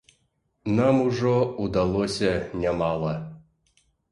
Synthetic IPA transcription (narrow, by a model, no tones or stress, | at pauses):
namuʐoud̪alˠosʲanʲɛmɑlˠɐ